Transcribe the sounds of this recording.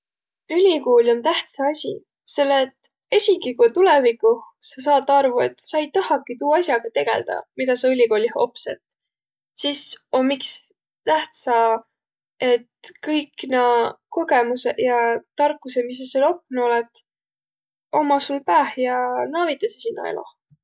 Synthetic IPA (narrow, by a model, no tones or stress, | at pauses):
ylʲiko̞ːlʲo̞nt̪æht̪sɑɑsʲḭ | se̞lːet̪ | e̞sʲikikut̪ulevikːˑuhsɑs̬ɑːt̪ːˑɑrvue̞̰t̪sɑjt̪ɑhɑkit̪uːɑsʲjɑɡ̥ɑt̪e̞ɡ̥e̞̰ld̪̥ɑ̰mid̪ɑsɑylʲiko̞ːlʲiho̞̰psḛt̪ | sisomːiks | t̪æht̪sɑ | e̞t̪kɤjknɑko̞ɡe̞musejɑt̪ɑrkːˑusemis̬eselo̞k̚ːno̞let̪ | o̞mɑsulpæːhjɑnɑːvit̪ːˑɑsisinːo̰ḛlʔo̰